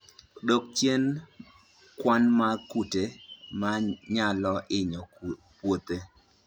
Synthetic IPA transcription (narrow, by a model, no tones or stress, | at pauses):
dok̚t͡ʃjen | kwanmakutemaɲalɔʔɪɲɔ | pwot̪e